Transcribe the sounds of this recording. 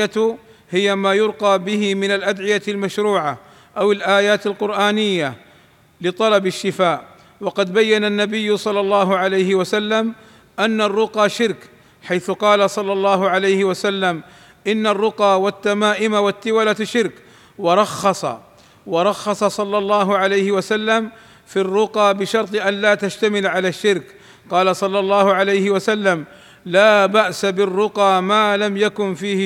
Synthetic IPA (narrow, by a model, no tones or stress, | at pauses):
at̪ | hɪjamaːjʊɾqɑːbɪhɪmɪnalʔad̪ʕɪjalmaʃɾuːʕa | ʔawɪlʔaːjaːt̪ɪlqʊɾʔaːnɪjːa | lɪt̪ˤɑlɑbɪʃːɪfaːʔ | wɑqɑd̪bajːananːabɪjːʊsˤɑlːɑlˤːɑːɦʊʕalajhɪwasalːam | ʔanːarˤːʊqɑːʃɪɾk | ħajθʊqɑːlasˤɑlːɑlˤːɑːɦʊʕalajhɪwasalːam | ʔɪnːarːʊqɑːwat̪ːamaːʔɪmawat̪ːɪwalaʃːɪɾk | wɑɾˤɑxːɑsˤɑ̰ | wɑɾˤɑxːɑsˤɑsˤɑlːɑlˤːɑːɦʊʕalajhɪwasalːam | firːʊqɑːbɪʃɑɾˤt̪ˤʔanlaːt̪ad͡ʒt̪amɪlʕalaːʃːɪɾk | qɑːlasˤɑlːɑlˤːɑːhʊʕalajhɪwasalːam | laːbaʔsabɪrːʊqɑːmaːlamjakʊnfiːhɪ